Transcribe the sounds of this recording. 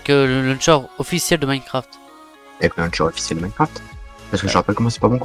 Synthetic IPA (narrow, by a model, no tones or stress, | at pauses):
kələlə̃nʃɔʁɔfisjɛld̪əmankχaft̪ | ɛpkʲəlɛ̃nʃɔʁɔfi̥sjɛld̪əmankχaft̪paskəʒəʁapɛlkɔmɑ̃sɛ̥pabɔ̃k